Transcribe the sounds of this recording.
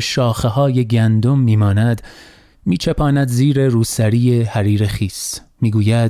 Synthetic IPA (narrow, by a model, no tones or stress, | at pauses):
ʃɒːxeɦɒːje̞ɡænd̪o̞mːiːmɒːnæd̪ | miːt͡ʃʰepʰɒːnæd̪ziːɾe̞ɾuːsæɾiːjehæɾiːɾe̞xiːsmiːɡuːjæd̪